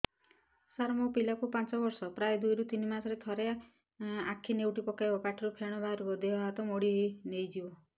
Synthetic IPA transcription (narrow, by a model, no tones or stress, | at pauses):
saɾmopilakupant͡ʃɔbɔɾsɔpɾajd̪ujɾut̪inimasɔɾet̪ʰɔɾe | akʰːinewʈipɔkajbɔpaʈʰɔɾupʰeɽ̃ɔbaɾubɔd̪eɔɦat̪ɔmoɽiɦinejd͡ʒibɔ